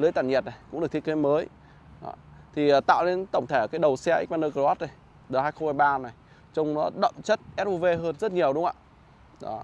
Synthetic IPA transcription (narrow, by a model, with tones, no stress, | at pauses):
lɨ˨˦jt̪aː˧˩nɲɛ˨˩t̚na˨˩jkʊ̰˧˥ŋ͡mɗɨ˨˩k̚t̪ʰə˥ke˨˦məː˨˦j | ɗɔ̰˨˦t̪ʰi˨˩əː˨˩t̪a̰ː˧˨wle˧nt̪ə̰˧˩wŋ͡mt̪ʰe˧˩˨kaː˨˦jɗə˨˩wsɛ˧ʔk̚ɓaː˧nəː˧kə˧waː˦˥t̚nə˨˩j | ɗəː˨˩haː˧jxə˧whaː˧jɓaː˧na˨˩j | t͡ɕwŋ͡mnɔ˨˦ɗə̰˧˨mt͡ɕə˦˥t̚ʔɛ˦˥t̚ʔu˧ve˧ɦəː˧nzə˦˥t̚ɲi˨˩əwɗʊ˨˦ŋ͡mʔa̰ː˧˨ | ɗɔ̰˨˦